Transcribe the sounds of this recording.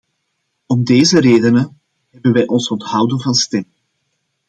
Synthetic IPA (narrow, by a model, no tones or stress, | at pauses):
ɔmdeːzəɾeːdənə | ɦɛbənʋɛjʔɔnsɔntɦɑwdənvɑnstɛm